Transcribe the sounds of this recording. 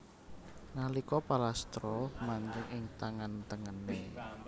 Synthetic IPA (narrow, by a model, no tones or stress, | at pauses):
nalikɔpalast̪ɾɔmaɲd͡ʒəŋɪŋt̪aŋant̪əŋəne